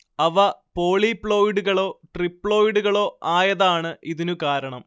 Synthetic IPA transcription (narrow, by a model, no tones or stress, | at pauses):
ɐʋɐpoːɭipːɭo̞ːjiɽuɣɐɭo̞ːʈripːɭo̞ːjiɽuɣɐɭo̞ːʔaːjɐðaːɳɨʔiðinukaːɾɐɳɐm